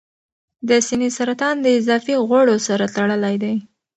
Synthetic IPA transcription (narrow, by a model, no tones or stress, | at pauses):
d̪əsinisaɾat̪ɑnd̪əɪzɑfiɣwaɽosaɾat̪aɽəlajd̪aj